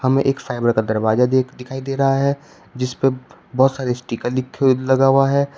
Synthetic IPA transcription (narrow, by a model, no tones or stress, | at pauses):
hɐmẽʔeːkfaːɪbəɾkad̪ɐɾbaːzad̪ɪkʰaːid̪eːɾɐɦaɦɛ | d͡ʒɪspe | bɔɦʊt̪saːɾesʈikəlɪkʰːelɐɡaːwaɦɛː